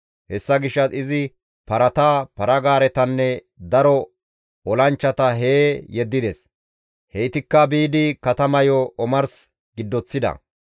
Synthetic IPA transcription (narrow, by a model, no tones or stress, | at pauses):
hɛsːɐɡɪʃːɐsɪzɪ | pɐɾɐt̪aːpɐɾɐɡaːɾɛt̪ɐnːɛ | d̪ɐɾɔ | ɔlɐnt͡ʃːɐt̪ɐɦeːjɛd̪ːɪd̪ɛs | hɛjt̪ɪkːɐbiːd̪ɪkɐt̪ɐmɐjɔʔɔmɐɾs | ɡɪd̪ːɔt͡sːɪd̪ɐ̰